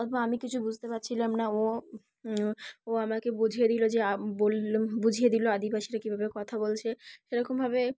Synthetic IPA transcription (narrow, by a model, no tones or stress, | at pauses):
t̪boamikit͡ɕʰubud͡ʑʱt̪epatːɕʰilamnao | oamakebud͡ʑʱied̪ilod͡ʑeabolbud͡ʑʱied̪iload̪ibaʃiɾakibʱabekɔt̪ʰabolt͡ɕʰeʃeɾɔkombʱabe